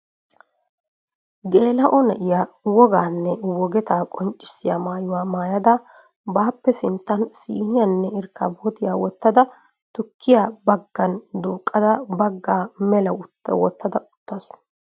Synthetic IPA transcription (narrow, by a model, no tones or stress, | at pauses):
ɡe̞ːlɐʔɔnɐʔɪjaːwɔɡaːnːɛwɔɡɛt̪aːkʼɔnt͡ʃʼːɪ̥sːɪja̰ːmaːjʊwaːmaːjɐd̪ɐ | baːpːɛsɪnt̪ːɐnsḭːnɪjɐnːɛɪɾkːa̰boːt̪ɪjaːwɔt̪ːɐd̪ɐ | t̪ʊkʰːɪjaːbɐɡːɐnd̪oːkʼːɐd̪ɐbɐɡːaːmɛlɐʊt̪ːɐ̰wɔt̪ːɐd̪ɐʔʊ̥t̪ːɐsʊ̥